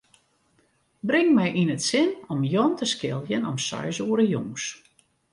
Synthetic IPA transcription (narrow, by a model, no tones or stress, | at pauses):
brɪŋmɛjʔinətsɪnɔmjɔntəskɪlˠjənɔmsœ̰jsuəɾəjoŋs